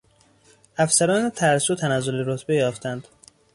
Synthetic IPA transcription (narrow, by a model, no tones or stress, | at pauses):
ʔæfsæɾɒːnet̪ʰæɾsuːt̪ʰænæzoleɾot̪ʰbejɒːft̪ʰænd̪̥